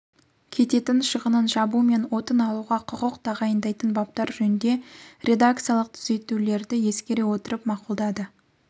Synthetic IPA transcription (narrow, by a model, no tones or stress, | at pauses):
kʲʰe̞t̪e̞t̪ɪnʃəʁənənʒɑbume̞nwo̞t̪ənɑlˠuʁɑqʰʊqəq̚t̪ʰɑʁɑjənd̪ɑjt̪ənbɑp̚t̪ɑɾʒɵnɪnd̪e̞ɾʲe̞d̪ak̚t̪sɨjalˠəq̚t̪ʰʏze̞t̪ule̞ɾd̪ɪje̞skʲe̞ɾe̞wo̞t̪əɾəpmɑqulˠd̪ɑd̪ə